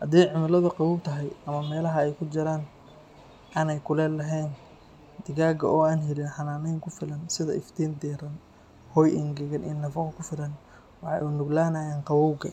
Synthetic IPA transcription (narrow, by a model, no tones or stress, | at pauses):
hɐ̰d̪iːjʕʊmɪlɐðɐqɑwuːb̚t̪ʰɐɦɛjɐmɐmɛːlɐɦɐɛjkʰʊd͡ʒɪɾaːn | ʔaːnɛjkʰʊlɛːlɐɦɛːn | d̪ɪɣaːɡɐʔɔːaːnɦɛlɪnħɑnaːnɛjŋkʰʊfɪlɐnsɪðɐɪft̪ʰiːnd̪iːɾɐn | hɔːjʔɪŋɡɛɣɐnʔḭːnːɐfɐqkʰʊfɪlɐn | wɑħɑ̰ʔʊnʊɡlaːnaːjaːnqɑwuːbɡɐ